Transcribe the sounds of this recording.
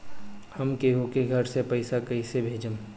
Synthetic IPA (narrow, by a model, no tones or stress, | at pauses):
hɐmkeːɦokeɡʱəɾsepɐɪsakɐisebʱeːd͡ʒəm